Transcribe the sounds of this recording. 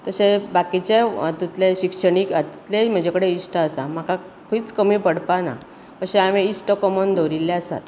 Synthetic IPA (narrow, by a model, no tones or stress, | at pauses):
t̪əɕebakit͡ɕet̪ut̪leɕikʂəɳiːkat̪i̥t̪lem̤əd͡ʑekəɽeisʈəːsam̤akʰa | kʰiːt͡skəmiːpəɽpana̰ | əɕẽameisʈəkɔmɔnd̪oɾilːeasa̰t̪